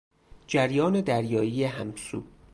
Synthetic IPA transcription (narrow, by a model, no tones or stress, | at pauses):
d͡ʒæɾjɒːned̪æɾjɒːjijeɦæmsṵː